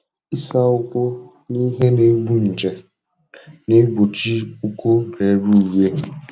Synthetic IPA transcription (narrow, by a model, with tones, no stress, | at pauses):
i˦sa˦ʊ˦kʷʊ˦ | ni˦ɦe˦ne˦ɡ͡bu˦n̩˨t͡ʃe˨ | ne˦ɡ͡bu˨t͡ʃi˦u˦kʊ˦ɾe˨˦ɾu˦˨we˦